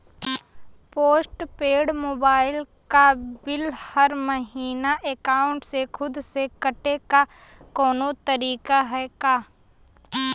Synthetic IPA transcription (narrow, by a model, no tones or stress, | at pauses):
poːsʈpeːɽmoːbaːɪl | kabɪlhɐɾmɐɦiːnaʔeːkaːʊɳʈsekʰʊd̪sekɐʈeka | kɔːnot̪ɐɾiːkaɦɛkaː